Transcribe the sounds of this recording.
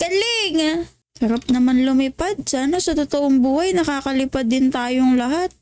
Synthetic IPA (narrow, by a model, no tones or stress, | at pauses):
kɐlɪŋa | sɐɾap̚nɐmanlʊmɪpad̪̚sɐʔɐnosɐt̪ot̪oʔoŋbuːhɐjnɐkaːkɐlɪpad̪ːɪnt̪aːjoŋlɐɦat̪̚